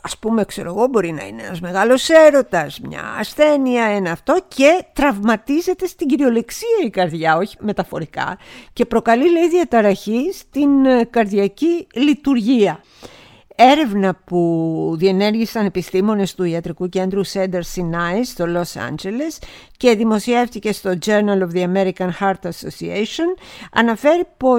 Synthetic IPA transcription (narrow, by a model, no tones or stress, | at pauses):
ɐspume̞kse̞ɾo̞ɣo̞bo̞ɾinɐ̰ḭneḛnɐzme̞ɣɐlo̞se̞ɾo̞t̪ɐzmɲɐ̰ːsθe̞niɐe̞nɐːft̪o̞ce̞t̪ɾɐvmɐt̪ize̞t̪e̞st̪iɟiɾio̞le̞ksiɐikɐɾðʝɐo̞çi̥me̞t̪ɐfo̞̰ɾikɐ̰ce̞pɾo̞kɐlileiðiɐt̪ɐɾɐçist̪inkɐɾðjɐcilit̪uɾʝiɐ | e̞ɾe̞vnɐpuðie̞ne̞ɾʝisɐne̞pist̪imo̞ne̞st̪uiɐt̪ɾikuce̞nd̪ɾusend̪eɾsinɐist̪o̞lo̞sɐ̰nd͡ʒe̞le̞s | ce̞ðimo̞sie̞fθice̞st̪o̞d͡ʒe̞ɾnɐlo̞vðiɐme̞ɾikɐnxɐɾt̪ɐso̞̰sieso̞nɐ̰nɐfe̞ɾipo̞